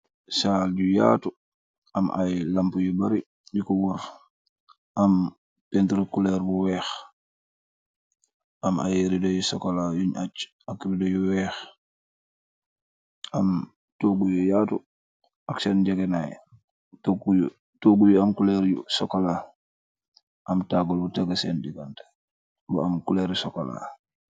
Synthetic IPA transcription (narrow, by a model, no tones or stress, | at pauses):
salɟuja̰ːtu | ɐma̰jlampujubaɾi | jukɔwuɾ | ʔɐm | pɛntɾukulɛɾbuwɛːx | ʔama̰jɾidɔjusɔkolajuɲat͡ʃ | akːbidɔjuwɛːx | am | toːɡujujatu | ʔaksɛnd͡ʒɛɡɛnaj̰ | toɡuj | toɡujuamkulɛɾjusɔkola | ʔɐmtaɡulbutaɡasɛndiɡant | buamkulɛɾsɔkola̰